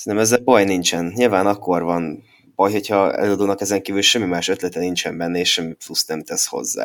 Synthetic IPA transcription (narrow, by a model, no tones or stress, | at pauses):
ssɛnt̪ɛmɛzːɛlbɒjnint͡ʃɛnɲilvaːnɒkːo̞rvɒn | b̥ɒjho̞cʰhɒɛ̰løːɒd̪oːnɒkɛzɛŋkiːvylʃɛmːimaːʃø̞t̪lɛt̪ɛnint͡ʃɛmbɛnːɛeːʃɛmːiplusnɛmt̪ɛsho̞̰zːa̰ː